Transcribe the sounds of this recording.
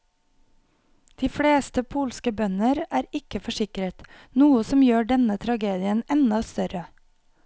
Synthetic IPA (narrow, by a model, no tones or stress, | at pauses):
d̪̥iːfɽeːst̪əpʰuːlskəbœnəɾæːɾɪkəfɔʃɪkəɾət̪ | nuːəsɔmjøːɖɛnət̪ʰɾɑɡeːd̪ɪənɛnɑst̪œɾə